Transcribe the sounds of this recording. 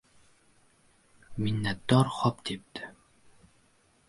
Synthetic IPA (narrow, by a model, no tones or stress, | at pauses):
minːæt̪ɔrχɔpt̪ʰep̚t̪ɘ̥